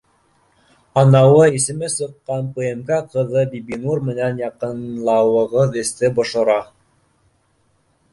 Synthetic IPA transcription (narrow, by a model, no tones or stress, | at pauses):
ɑnɑwɤisɘ̆mɘsɤ̆qːɑnpɤemkæqɤ̆ðɤbibinurmɘ̆nænjɑqɤ̆nlˠɑwɤ̆ʁɤðɘ̆st̪ɘbŏʃŏɾɑ